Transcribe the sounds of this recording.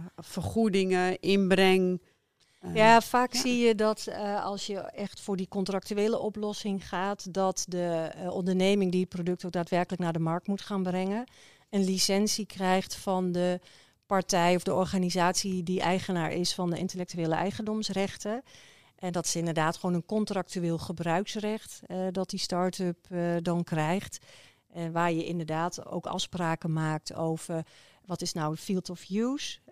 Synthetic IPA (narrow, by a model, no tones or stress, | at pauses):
fərχudɪŋəʔɪnbrɛŋ | jafaːksijədɔtɑ̰lˠsjəɛxtfʊːɹdikɔntrak̚tyeːləʔɔplɔsɪŋχaːtdɔtdəʔɔndəɹneːmɪŋdiət̚prodɵk̚tok̚daːtʋɛrkələknaːɹdəmɑɹk̚tmutχaːnbrɛŋə | ənlisɛnsikrɛjχtfɔndə | pɑɹtɛjɔfdəɔɹχaːnizaːtsidiʔɛjχənaːɹʔɪsfɑndəɪntəlɛk̚tyʋeːləʔɛjχəndɔmsrɛχtə | ʔɛndɑtɪ̥sɪndəɹdaːtχəʋownənkɔntrɑk̚tyʋɪːlˠχəbrœɥksrɛχtdɑt̚distɑɹtəpdɑnkrɛjχt | ʋaːɹjəʔɪndəɹdaːto̰wkɑ̰fspraːkəmaːk̚tʰowv̥ər | ʋɑtɪsnawəfilˠtɔfjus